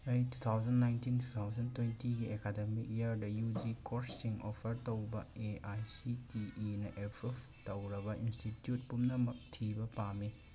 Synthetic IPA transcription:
ɐjtut̪ʰawd͡ʒɐnːajntintʰu̥t̪ʰawd͡ʒɐntwentiɡiekademik̚jaɾdɐjud͡ʒikoɾsiŋopʰɐɾtɐwbɐ̰eajsitiːnɐʔepʰeptɐwɾɐbɐinstitjut̚pumnɐmɐk̚tʰibɐpami

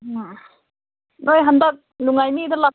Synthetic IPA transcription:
nojɦandak̚luŋajmidɯla

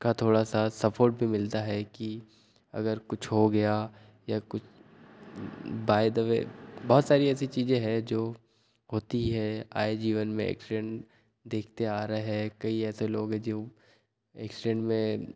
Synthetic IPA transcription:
kat̪ʰoːɽasasɐpʰoːɾʈ̚bʱimɪlt̪aɦɛki | ɐ̰ɡəɾkʊt͡ʃʰɦoɡɐja | jakʊt͡ʃʰ | baːɪd̪əʋḛbɔɦːt̪saːɾiɛːsit͡ʃiːzẽɦɛd͡ʒoː | ɦoːt̪iɦɛa̰ːed͡ʒiːʋənmẽɛ̰ːksɪɖɛ̃ɳʈ | d̪eːk̚ʰt̪eaːɾɐeɦɛkɐiɛːseloːɡɦɛ̃d͡ʒo | ɛ̰ːksɪɖɛ̃ɳʈmẽ

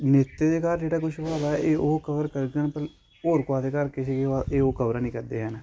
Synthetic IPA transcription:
nɪt̪ːeːd̪eːkaːɾd͡ʒeːɽaːk̬ʊʃʰʋaːd̪aːɛʔeːoːkəʋəɾkəɾɡəɳpəl | oːɾkaːd̪eːkəɾkɪsekeaeːoːkəbɾaːnĩːkəɾd̪eːɦənː

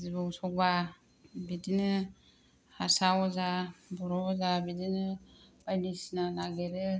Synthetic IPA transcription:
zibɔusɔk̚ba | bidinɯ | hasaɔzabɔɾɔɔzabidinɯb̥ajlisinalaɡɛɾe

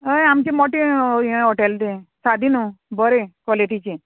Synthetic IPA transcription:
əjamt͡ʃimɔʈĩɔʈeld̪esad̪ʱinũbəɾekɔliʈit͡ʃʰi

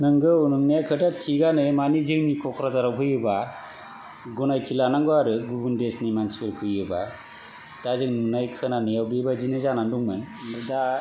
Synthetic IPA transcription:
nɯŋɡɯunɯmnajakʰɯdatʰiɡanɯmanizɯŋnikʰɔkʰɾazaɾawpʰɯjɯba | ɡunajtʰilanaŋɡuaɾɯɡubundesnimansi̥pɯlkʰɯjɯba | d̥azɯŋnunajkʰɯnanijawbibazinɯzananduŋmɯnɯda

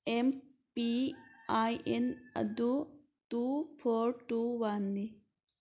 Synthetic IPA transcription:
em | piaʔenɐ̰d̪u | tuːpʰoːɾʈuʋanːi

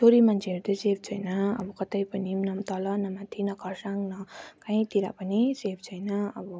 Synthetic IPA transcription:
t͡sʰoɾimant͡sʰeeɾud̪ʌseb̚ʰt͡sʰʌjnʌʌ̰bʌkʌt̪ʌjpʌnimnʌmt̪ʌlʌnʌmat̪ʰinʌkʌrsaŋnʌkʌ̃ĩt̪iɾa̰pʌniseb̚ʰt͡sʰʌjnʌʌbʌ

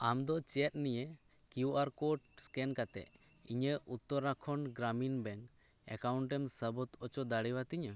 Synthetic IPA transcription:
amd̪ɔt͡ʃɛɛt̪̚nije | kjuʔaɾkɔʈskɛnkat̪ɛ̰ | iɲəut̪ːɔɾakʰɔnɡɾaminbɛŋ | ɛ̰kawɳʈɛmsəbɔt̪ɔt͡ʃɔd̪aɽiwat̪iɲə

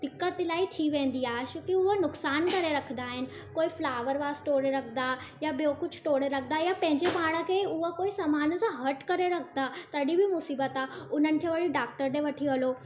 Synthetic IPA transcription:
d̪̥ikːət̪lait̪ʰiʋẽnd̪iaɕukiʊʋənʊksaːnk̪əɾeɾəkʰd̪aːɦɪn | koːiflaʋəɾʋasʈoɽeɾəkʰd̪ajabjokʊt͡ɕʰʈoɽeɾək̚ʰd̪ajapə̃ɦɪ̃ɲd͡ʑebʱaɽ̃əkeʊʋəkoisəmaːnsãɦəʈkəɾeɾəkʰd̪at̪əɽibʱimusiːbət̪aʊnənɪ̆kʰeʋəɽiɖak̚ʈəɾɖeʋəʈʰiəlo

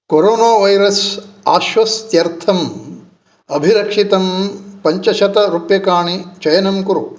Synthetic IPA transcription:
koɾoːnaːʋɐjɾɐsa̰ːʃʋɐst̪jɐɾt̪ʰɐm | ɐbʱiɾɐkʂit̪ɐmpɐɲt͡ʃɐʃɐt̪ɐɾupjɐkaːɳit͡ʃɐjɐnɐmkuɾu

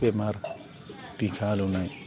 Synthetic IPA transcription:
emaɾ | pikʰalunaj

